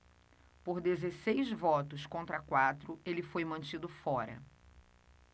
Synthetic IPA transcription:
poɾd̪ezesejzvɔt̪ʊskõnt̪ɾɐkwat̪ɾʊelɪfojmɐ̃nt͡ʃid̪ʊfɔɾɐ̰

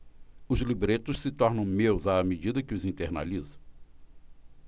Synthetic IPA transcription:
ʊzlibɾet̪ʊssɪt̪ɔɾnɐ̃w̃mewzaːmed͡ʒid̪ɐkɪʊzĩnt̪eɾna̰lizɐ̃

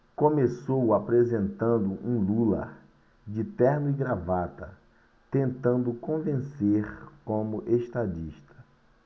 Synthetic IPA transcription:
kõmesowapɾezẽnt̪ɐ̃nd̪ʊʔũlulɐ̰ | d͡ʒɪt̪ɛɾnʊiɡɾavat̪ɐ | t̪ẽnt̪ɐ̃nd̪ʊkõvẽseɾkõmʊʔeʃt̪ad͡ʒiʃt̪ɐ̥

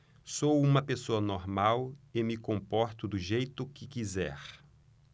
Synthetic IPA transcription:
sowũmɐpesoɐnoɾmawɪmɪkõmpɔɾt̪ʊd̪ʊʒejt̪ʊkɪkizɛ̰ɾ

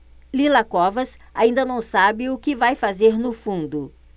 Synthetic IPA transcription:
lilakɔvɐs | aĩnd̪ɐnɐ̃w̃sabɪʊkɪvajfazeɾnʊfũnd̪ʊ

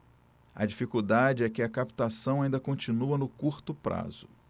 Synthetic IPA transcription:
ɐ̰d͡ʒifikud̪ad͡ʒɪɛkɪɐkapi̥t̪asɐ̃w̃aĩnd̪ɐkõt͡ʃinuɐnʊkuɾt̪ʊpɾa̰z̥ʊ

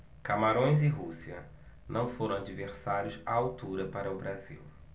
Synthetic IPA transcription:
kamaɾõj̃zɪɦusiɐ̰ | nʔɐ̃w̃foɾɐ̃w̃ad͡ʒiveɾsaɾjʊsaawt̪uɾɐpaɾɐʊbɾazḭw

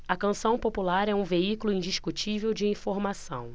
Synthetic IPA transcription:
ɐkɐ̃sɐ̃w̃populaɾɛũveikulʊĩd͡ʒiʃkut͡ʃivewd͡ʒɪĩfoɾmasɐ̰̃w̃

